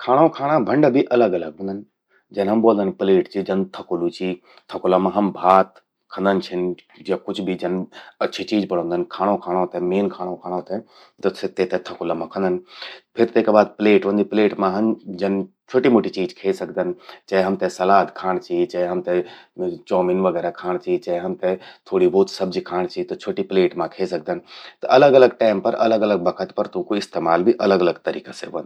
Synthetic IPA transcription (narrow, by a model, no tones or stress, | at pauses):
kʰaːɽ̃õkʰaːɽ̃ãbʱɐ̃ɳɖəbʱiʔɐləɡɐləɡɦʊ̃nd̪ənɪ̆ | d͡ʒɐnɦɐmboːənd̪ənpɪleːʈd͡ʑid͡ʒɐnt̪ʰɐkʊlut͡ʃʰiː | t̪ʰɐkʊlamãɦɐmbʱaːt̪ | kʰə̃nd̪ənt͡ʃʰɪn | d͡ʑakʊd͡ʒʱbid͡ʒɐnɐʃʰit͡ɕiːd͡ʒpɐɽ̤̃õːnd̪ənkʰaːɽ̃okʰaːɽ̃ot̪ɛ̃meːnkʰaːɽ̃õkʰaːɽ̃ot̪ɛ̃ | t̪ɐsɪt̪et̪ɛ̃t̪ʰɐkʊlamãkʰə̃nd̪ənɪ̆pʰɪɾt̪eɪkbaːd̪̚pɪleːʈʋə̃nd̪ipɪleːʈmãɦɐnd͡ʒɐnɪ | t͡ʃʰoːʈimoːʈit͡ʃiːd͡ʒkʰeːsɐk̚ʰd̪ənɪ̆t͡ʃɐɦɐmt̪ɛ̃sɐlaːd̪kʰaːɽ̃t͡ʃʰit͡ʃɐɦɐmt̪ɛ̃t͡ʃɔːmɪnʋɐɡɛːɾakʰaːɽ̃t͡ʃit͡ʃɐɦɐmt̪ɛ̃t̪ʰoːɽiboːt̪sɐbd͡ʒikʰaːɽ̃t͡ʃʰit̪ɐt͡ʃʰoːʈipɪleːʈmãkʰeːsɐk̚d̪ənɪ̆t̪ɐʔɐləɡɐləɡ̚ʈaːɪmpɐɾɐ̰ləɡɐləɡ̚bɐkʰət̪pɐɾt̪ũkoɪst̪eːmaːlbʱiʔɐləɡɐləɡt̪ɐɾḭːkaseʋɐ̃nd̪